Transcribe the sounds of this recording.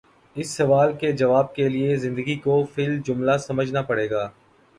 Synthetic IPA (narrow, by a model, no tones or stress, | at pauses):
ɪsːɐʋaːlked͡ʒɐʋaːb̚keliezɪ̃nd̪əɡikofʰɪld͡ʒʊmlasɐməd͡ʒʱnapɐɽeːɡaː